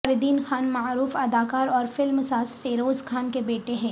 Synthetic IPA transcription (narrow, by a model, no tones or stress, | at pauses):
ɐɾɪd̪iːnxaːnmaɾuːfɐd̪aːkaːɾɔːɾfɪlmsaːsfeːɾoːzkʰaːnkebeːʈeɦɛ̃ː